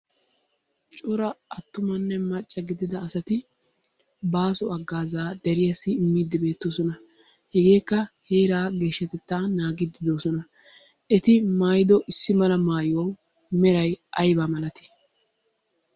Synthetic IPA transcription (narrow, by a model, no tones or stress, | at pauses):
t͡ʃʼʊɾɐɐt̪ːʊmɐnːɛmɐt͡ʃʼːɐɡɪd̪ɪd̪ɐːsɐt̪ɪ | baːsɔɐɡːaːzaːd̪ɛɾɪjɐsːɪɪmːiːd̪ːɪbe̞ːt̪ːoːsɔnɐ | hɛɡe̞ːkːɐheːɾaːɡe̞ːʃːɛt̪ɛt̪ːaːnaːɡɪd̪ɪd̪o̞ːsɔnɐ | ɛt̪ɪmaːjɪd̪ɔʔɪsːɪmɐlɐmaːjʊwɐw | mɛɾɐjʔɐjbaːmɐlɐt̪ɪ̥